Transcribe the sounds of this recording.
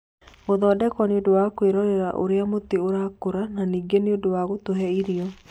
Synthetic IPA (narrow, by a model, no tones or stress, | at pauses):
oðɔːdɛkɔneodowakweɾɔɾeɾaʔo̰ɾeamot̪eoɾakoɾananiːɡeneodowaɣotoɦɛiɾiɔ